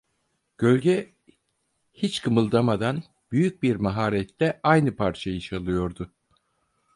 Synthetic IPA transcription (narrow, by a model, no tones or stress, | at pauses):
ɟ̥ø̞lʲɟɛ | hit͡ʃkʰɯmɯlˠd̪amad̪an | b̥yjyc̚biɾmaɦaːɾɛt̪lɛʔajnɯpʰaɾt͡ʃʰajɯt͡ʃʰalˠɯjo̞ɾd̪ʊ